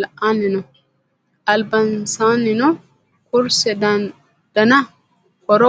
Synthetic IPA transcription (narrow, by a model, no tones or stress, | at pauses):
lanɪnɔ | ɐlbɐnsaːnɪnɔ | kʊɾsɛd | d̥ɐna | kɔɾɔ